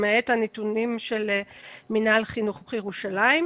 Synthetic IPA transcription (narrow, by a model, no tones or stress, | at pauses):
meethanetunimʃelminalχinuχbχjeʁuʃalaim